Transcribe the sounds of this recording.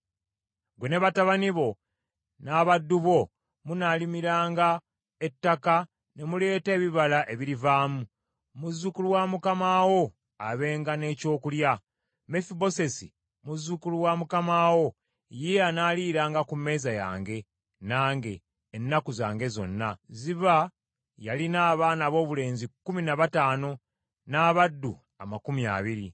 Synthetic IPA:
ɡweneβataβaniβo̞ | naβadːuβo̞ | munalimiɾaːŋɡa | e̞tːaka | ne̞mule̞ːte̞ːβiβalaʔeβiɾivaːmu | muzukuluwamukamaːwo̞ | aβe̞ːŋɡane̞ːco̞ːkulja | me̞fibo̞se̞si | muzukuluwaːmukamaːwo̞ | jeanaːliːɾaːŋɡakume̞ːzaja̰ːŋɡe̞ | naːŋɡe̞ː | nːakuzaːŋɡe̞zo̞̰nːaziβa | jalinaːβaːnaβo̞ːβule̞ːnzikːuminaβataːno̞ | naːβadːu | amakumia̰ːβiɾi

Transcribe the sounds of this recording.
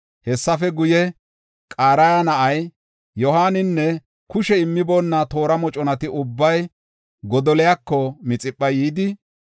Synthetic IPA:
hɛsːɐfɛɡʊjɛ | kʼaːɾɐjanɐʔɐj | jɔhaːnɪnːɛ | kʊʃɛɪmːɪbo̞ːnːɐt̪o̞ːɾɐmɔt͡ʃʼɔnɐt̪ɪʔʊbːɐj | ɡɔd̪ɔlɛjakːɔmɪt͡sʼɪpʼːɐjiːd̪ɪ

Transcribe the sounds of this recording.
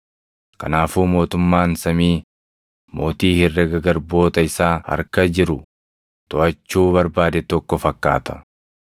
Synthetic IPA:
kɐ̰naːfuːmo̞ːt̪ʊmːaːnsɐmiː | mo̞ːt̪iːhɪrːɛɡɐɡɐɾbo̞ːt̪ɐɪsaːhɐ̰ɾkɐd͡ʒɪɾʊ | t̪ɔʔɐt͡ʃːuːβɐɾbaːd̪ɛt̪ɔkːɔfɐkːa̰ːt̪ɐ̥

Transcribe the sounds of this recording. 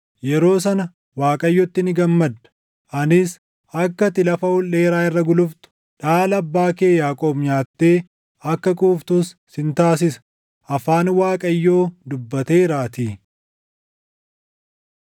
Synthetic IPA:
jɛɾo̞ːs̬ɐnɐ | waːkʼɐjːɔt̪ːɪnɪɡɐmːɐd̪ɐ̥ | ʔɐnɪs | ɐkːɐt̪ɪlɐfɐhʊlːeːɾaːɪrːɐɡʊlʊft̪ʊ̥ | ᶑaːlɐbːaːke̞ːjaːkʼoːbɲaːt̪ːe̞ː | ɐkːɐkʼuːft̪uːsːɪnt̪aːsɪsɐ̥ | ʔɐfaːnwaːkʼɐjːo̞ːd̪ʊbːɐt̪eːɾaːt̪iː

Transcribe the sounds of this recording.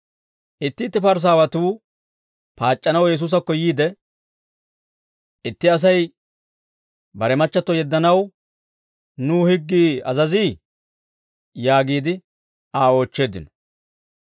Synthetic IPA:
ʔɪt̪ːɪːt̪ːɪpɐɾs̬aːwɐt̪uː | paːt͡ʃʼːɐnɐwjɛs̬uːs̬ɐkːɔjiːd̪ɛ | ʔɪt̪ːɪɐs̬ɐj | bɐɾɛmɐt͡ʃːɐt̪ːɔjɛd̪ːɐnɐw | nuːhɪɡːiːɐ̰zɐziː | jaːɡiːd̪ɪ | aːo̞ːt͡ʃːe̞ːd̪ɪ̰nɔ̥

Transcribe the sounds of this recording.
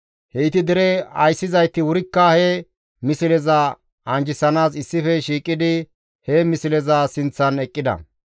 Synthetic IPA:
hɛɪt̪ɪd̪ɪɾɛɐjsːɪzɐjt̪ːɪwʊɾɪkːɐhɛ | mɪsɪlɛzɐ | ɐnd͡ʒɪsɐnaːsɪsːɪfɛʃiːkʼːɪd̪ɪ | hɛmɪsɪlɛzɐsɪnt͡sːɐnɛkʼːɪd̪ɐ̰

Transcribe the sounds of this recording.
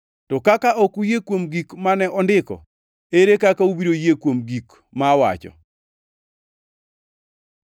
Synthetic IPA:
tɔkakaʔokujekwomɡikmanɛʔɔndɪkɔ̰ | eɾekakaubiɾojekwomɡik | mawa̰t͡ʃɔ̰

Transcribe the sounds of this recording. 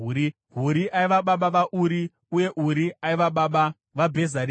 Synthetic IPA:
i | ɦuɾiʔaiʋaɓaɓaʋaʔuɾi | uje̞ʔuɾiaiʋaɓaːɓa | ʋabʱe̞zar

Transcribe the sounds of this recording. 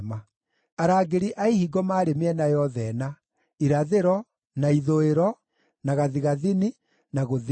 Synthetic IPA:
ma | aɾaːɡeɾiʔaihiɡɔmaːɾemeɛnajɔðɛna | iɾaðeɾɔ | naiðoeɾɔ | naɣaðiɣaðini | naɣoð

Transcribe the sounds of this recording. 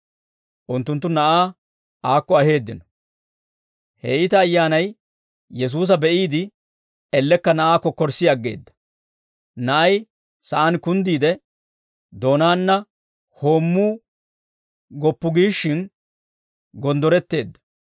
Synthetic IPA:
ʔʊnt̪ːʊnt̪ːʊnɐʔaː | ʔaːkːɔɐhe̞ːd̪ːɪnɔ | hɛ̰ʔɪt̪ɐːjːaːnɐj | jɛs̬uːs̬ɐbɛʔiːd̪ɪ | ɛlːɛkːɐnɐʔaːkːɔkːɔɾsɪɐɡːe̞̰ːd̪ːɐ̥ | nɐʔɐj | sɐʔɐnkʊnd̪iːd̪ɛ | d̪o̞ːnaːnːɐ | ho̞ːmːuː | ɡɔpːʊɡiːʃːɪn | ɡɔnd̪ɔɾɛt̪ːe̞ːd̪ːɐ̥

